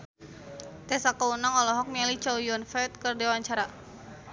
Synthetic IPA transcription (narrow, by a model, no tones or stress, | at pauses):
t̪ɛsakaunaŋɔlɔɦɔk̚mɛlit͡ʃawjɔnfɛt̪̚kərdewaɲt͡ʃaɾa